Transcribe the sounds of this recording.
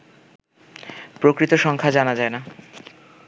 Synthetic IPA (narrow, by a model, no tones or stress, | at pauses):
pɾokɾit̪oʃɔŋkʰad͡ʑanad͡ʑaena